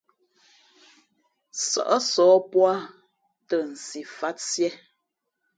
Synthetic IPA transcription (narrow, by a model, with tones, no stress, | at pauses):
sɔ̰˨ʔɔ˦sɔː˨˦pwa˦ | tə˨n̩˨si˨fa˦tsjɛ˦